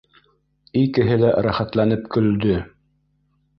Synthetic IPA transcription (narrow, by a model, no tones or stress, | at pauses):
ikɘ̆ɦɘlæɾæχæt̪lænɘpkɵ̆ld̪ɵ